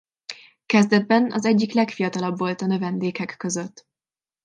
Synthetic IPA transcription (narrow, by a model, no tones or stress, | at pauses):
kɛzd̪ɛd̪̚bɛnɒ̰zɛɟːiklɛkfijɒt̪ɒlɒbvo̞lt̪ɒnø̞vɛnd̪eːkɛkːø̞zø̞t̪ː